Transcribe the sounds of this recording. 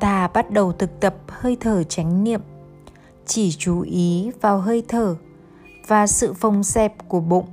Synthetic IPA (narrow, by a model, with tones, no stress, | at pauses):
t̪ʰaː˧˩ɓa˦˥t̚ɗə˨˩wt̪ʰɨ˨˩k̚t̪ə˨˩p̚həː˧jt̪ʰəː˧˩t͡ɕa˨˦jŋ̟nḭ˧˨əm | t͡ɕi˧˩t͡ɕu˨˦ʔi˨˦vaː˨˩wɦəː˧jt̪ʰəː˧˩ | vaː˨˩sɨ̰˧˨fə˨˧˩wŋ͡msɛ˧˩p̚ku˧˩əɓo̰˧˨ŋ͡m